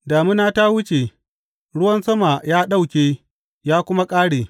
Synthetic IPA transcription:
daː˨mɪ˦naː˦ta˦wʊ˦t͡ʃe˨ | ɽʊ˦wɐ˦nsɐ˦ma˨jaː˦ɗa˦wkʲeː˦ | jaː˦kʷʊ˦ma˦kʼaː˦ɽeː˨

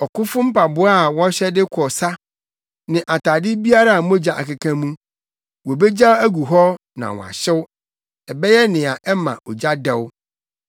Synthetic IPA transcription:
ɔ˨kʊ˦fʊ˦m̩˦pʰa˨bʊ˦a˦˨wɔ̃˦ɕɛ˦dɪ˦kʰɔ˨sa˦ | nɪ̃˨ʔa˨tʰaː˨dɪ˦bi˦a˦ɾa˨a˨mõ˦d͡ʑa˨ʔa̰˨ka˨kʰã˦mũ˦ | wɔ˨be˦d͡ʑa˦æ˦ɡu˨ɦɔ˦ | nã̰˨wɔ̰̃˨a̰˨ɕɪ˦w | ɛ˨bɛ˦jɛ˦nɪ̃˨a˨ʔɛ˦mã̰˨ʔɔ˨d͡ʑa˦dɛ˦w

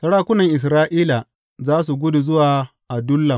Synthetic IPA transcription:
sɐ˨˦ɽaː˦kʷʊ˦nɐ˨ŋʔɪ˨s̬ɾaː˦ʔiː˦la˨ | zaː˦s̬u˨ɡʷʊ˦du˨zʊ˦waː˨ | ʔa˨dʊ˦lːɐ˨m

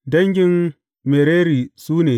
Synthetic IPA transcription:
dɐ˦ŋɡʲɪ˦n | me˨ɾeː˦ɾiː˨suː˦neː˨

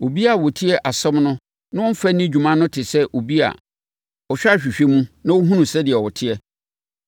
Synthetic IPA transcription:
o˨bi˦a˨wɔ˨tʰi˦ɛ˦ʔa˨sɔ̃˦mnʊ̃˦ | nã˦wɔ̃˦m̩˦fɛ˦nĩ˦d͡ʑᶣu˨mã˦nːʊ̃˦tʰɪ˨sɛ˦ʔo˨bi˦a̰˨ | ɔ˨ɕᶣa˦˨ɕᶣi˨ɕᶣe˦mũ˦nã˦wo˦ɦũ˦nũ˨sɛ˦dɪ˨ɛ˨wɔ˨tʰɪ˦ɛ˦

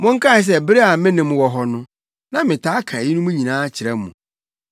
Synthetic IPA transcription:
mʊ̃˦ŋ̩˦kʰa˦˨ɪ˨s̬ɛ˦bɪ˦ɾe˦a˨mɪ̃˦nɪ̃˨m˨wɔ˨ɦɔ˨nʊ̃˦ | nã˦mɪ̃˨tʰaː˨˦kʰa˨ji˦nʊ̃˦mũ˦ɲĩ˨nãː˦t͡ɕʰɪ˨ɾɛ˦mṵ̃˨

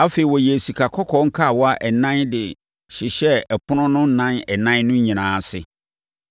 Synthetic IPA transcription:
a˦fe˨i˨wɔ˨je˨si˨kʰa˨kʰɔ˦kʰɔ˦ŋ̩˦kʰa˦˨wɔ˦a˦ʔɛ˨nã˦ndɪ˨ | ɕɪ˨ɕɛ˦ɛ˨pʰʊ˦nʊ̃˦nʊ̃˦n̩˦˨nã˦nɛ˨nã˦nʊ̃˦ɲĩ˨nãː˨˦˨sɪ̰˨

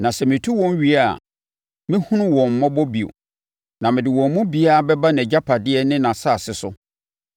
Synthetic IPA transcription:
nã˨sɛ˨mɪ̃˨tʰu˦wɔ̃˦n˦ɥi˨a˦˨ | mɪ̃˦hʊ̃˦nʊ̃˦wɔ̃˨m̩˨mɔ̃˦bɔ˦bi˨o̰˨ | nã˨mɪ̃˨dɪ˨wɔ̃˨mː˦ũ˦bi˦a˦˨bɛ˦ba˦nɛ̃˨d͡ʑa˦pʰa˨dɪ˦ɛ˨nɪ̃˦nã˨saː˦˨sɪ˨sʊ˦

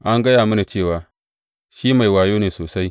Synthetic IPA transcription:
ʔa˦ŋɡɐ˦jaː˨mu˦na˨t͡ʃeː˦˨waː˨ | ʃiː˦ma˨jwaː˨joː˦neː˨soː˨sa˦j

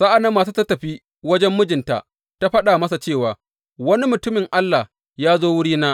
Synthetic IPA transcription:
sa˦ʔa˨na˦mːaː˨s̬uː˦tɐ˦tːɐ˨ɸiː˦ | wɐ˦d͡ʒɛ˦mːʊ˦d͡ʒɪ˨nta̰˨ʔ | ta˦ɸɐ˦ɗaː˨mɐ˦sa˨t͡ʃeː˦˨waː˨ | wɐ˦ni˦mʊ˨tʊ˦mɪ˨ŋʔa˦lːa˨h | jaː˦zoː˦wʊ˦ɽiː˦naː˦

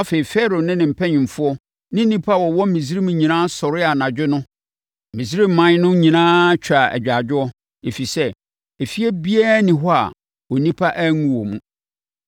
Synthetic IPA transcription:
a˦fe˨i˨fɛ˦ɾo˨nɪ̃˦nɪ̃˨m̩˨pʰɛ̃˦ɲɪ̃˨m̩˨fʊ˦ɔ˦ | nɪ̃˦n̩˦nĩ˦pʰa˦˨wɔ˨wɔ˦mĩ˨zi˦ɾi˦mũ˨ɲĩ˨nãː˦sɔ˨ɾɪ˦a˨nã˨d͡ʑᶣɪ˦nʊ̃˦ | mĩ˨si˦ɾi˦m̩˨mːã˨˦n˦nʊ̃˦ɲĩ˨nãː˦t͡ɕᶣʰa˨æ̰˨d͡ʑᶣa˨d͡ʑᶣʊ˦ɔ˦ | e˨fi˨sɛ˦ | e˨fi˦ɛ˦bi˦a˦nĩ˨ɦɔ˦a̰˨ | o˨nĩ˦pʰa˦ʔæ˦ŋũ˦˨wɔ˨mũ˦

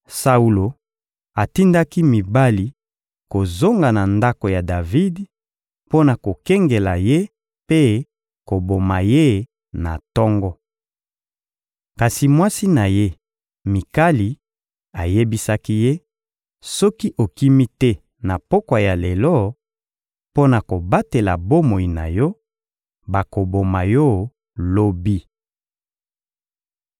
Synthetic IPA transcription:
sa˦u˨lo˨ | a˨ti˦nda˦ki˦mi˨ba˦li˨ | ko˨zo˦ŋɡa˨na˨nda˦ko˨ja˨da˨vi˦d | po˦na˨ko˨kɛ˦ŋɡe˨la̰˨je˦ | pe˦ | ko˨bo˨ma̰˨je˦ | na̰˨tɔ˦ŋɡɔ˦ | ka˨si˨mwa˦si˦na˨je˦ | mi˨ka˦li˨ | a˨je˦bi˦sa˦ki˦je˦ | sɔ˦ki˦ʔo˨ki˦mi˦tɛ˦ | na˨pɔ˦kwa˨ja˨le˨lɔ˦ | po˦na˨ko˨ba˦te˨la̰˨bo˦mo˨i˨na̰˨jɔ˦ | ba˨ko˨bo˨ma˨jɔ˦ | lo˦bi˦

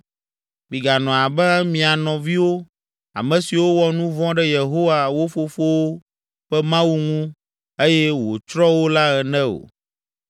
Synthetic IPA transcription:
mĩ˨ɡa˨nɔ̃˨a˨bɛ˦a˦mĩ˨a˨nɔ̃˨vi˦wo˦ | a̰˨mɛ̃˨si˨wo˦wɔ˦nũ˦vɔ̃˦ɖɛ˦je˨ɦo˦wa˨wo˦fo˨fo˦wo˦ | ɸɛ˦mã˦wu˦ŋũ˦ | e˦jɛ˦wo̰˨t͡ʃɾɔ˦wo˦la˦ɣɛ˨nɛ̃˦o̰˨

